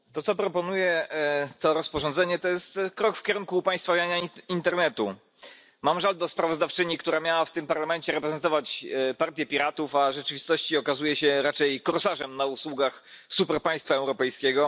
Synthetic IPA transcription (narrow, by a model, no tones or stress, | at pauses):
t̪ɔt̪sɔpɾɔpɔnujɛt̪ɔɾɔspɔʐɔnzɛɲɛt̪ɔjɛst̪kɾɔkfkʲeɾuŋkupaj̃st̪favʲaɲaint̪ɛɾnɛt̪u | mamʐald̪ɔspɾavɔzd̪aft͡ʂɘɲikt̪uɾamʲjawaft̪ɘmpaɾlamɛnt͡ɕɛɾɛpɾɛzɛnt̪ɔvat͡ɕpaɾt̪ʲjɛpʲiɾat̪ufaʐɛt͡ʂɘvʲist̪ɔɕt͡ɕiɔkazujɛɕɛɾat͡ʂɛjkɔɾsaʐɛmnauswuɡaxsupɛɾpaj̃st̪faɛwɾɔpɛjskʲɛɡɔ